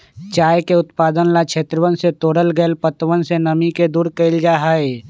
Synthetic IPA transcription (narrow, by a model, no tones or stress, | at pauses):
t͡ʃaːjkeʊt̪paːd̪ənlat͡ʃʰeːt̪ɾəʋənset̪oːɽəlɡəlpət̪ʋənsenəmiked̪uːɾkəɪld͡ʒaːɦae